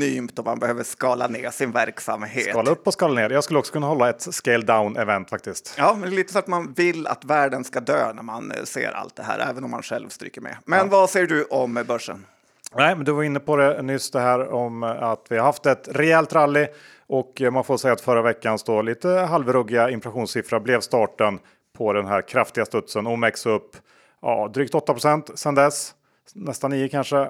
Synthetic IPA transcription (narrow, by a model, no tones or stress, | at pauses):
yːmt̪ɔma̰nbɛhøːvəʂkɑːla̰neːsɪnvæɾksa̰mɦeːɑːlaɵpːɔskɑːlaneːɾjɑːɡskɵləɔksɔ̥kʰɵnːahɔlːaɛt̪skɛɪld̪aʊnɛvɛnt̪fak̚t̪ɪst̪jɑːmɛnd̪ɛliːt̪əsɔat̪manvɪlːa̰t̪væːɖənskad̪ø̰ːnæɾmansḛːɾa̰lt̪̚d̪ɛɦæ̰ːɾʔɛ̰ːvənɔmːa̰nɧɛ̰lvst̪ɾy̰ːkːəmɛ̰mɛnvaseːɖɵʔɔmbœʂːə̰n | nɛːɪmɛnd̪ɵvaɾɪnːəpʰɔd̪ɛnʏsd̪ɛɦæːɾɔmat̪vɪhaɾɦaft̪ɛt̪ɾɛɛlt̪ɾalːɪ | ʔɔkmanfoːsɛjːat̪fœɾːavɛkːansd̪ɔliːt̪əɦalvɾɵɡɪaɪnflaɧuːnsɪfɾaɾblɛvst̪ɑːʈən | pʰɔd̪ɛnɦæɾkʰɾaft̪ɪɡast̪ɵt̪sənɔmɛksɵpː | jɑ̰ːd̪ɾyːk̚t̪ɔt̪ːapɾʊsɛnt̪sɛnd̪ɛs | nɛst̪anːiːəkʰanʂə